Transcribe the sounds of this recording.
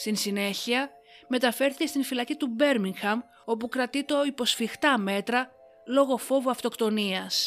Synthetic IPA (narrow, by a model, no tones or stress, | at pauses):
st̪insine̞çiɐ | me̞t̪ɐfe̞ɾθice̞st̪infilɐcit̪ube̞ɾmiŋxɐm | o̞pukɾɐt̪it̪o̞ipo̞sfixt̪ɐme̞t̪ɾɐ | lo̞ɣo̞fo̞voɐft̪o̞kt̪o̞niɐs